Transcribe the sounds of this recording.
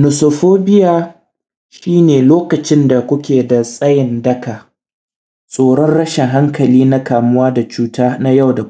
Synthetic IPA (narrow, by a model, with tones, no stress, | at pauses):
nʊ˨so˨ɸoː˦bɪ˦jaː˨ | ʃiː˦neː˨loː˦kɐ˨t͡ʃɪ˦nda˨kʷʊ˦kʲeː˨da˨sʼɐ˦jɪ˨ndɐ˦ka˨ | sʼoː˨ɽɔ˦nɽɐ˦ʃɪ˨ŋɦa˦ŋkɐ˨liː˦na˦kaː˨mʊ˦waː˦da˨t͡ʃuː˦taː˦na˦ja˦˨wda˨